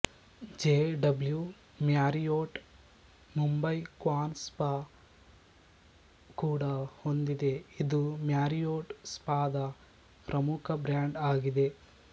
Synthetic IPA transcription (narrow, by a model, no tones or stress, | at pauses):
d͡ʒeːɖɐblju | mjaːɾijoːʈ | mumbɐjkwaːnspaː | kuːɽɐhond̪id̪e̞id̪umjaːɾijoːʈspaːd̪ɐ | pɾɐmukʰɐbɾjaːɳɖaːɡid̪e̞